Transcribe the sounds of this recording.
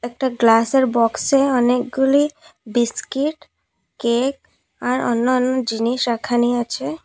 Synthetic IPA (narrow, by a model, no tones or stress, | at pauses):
ɛk̚ʈaɡlaseɾbɔkseɔnek̚ɡulibiskiʈ | kek̚ | aɾɔ̰nːɔɔnːɔd͡ʑiniʃɾakʰaniat͡ʃʰe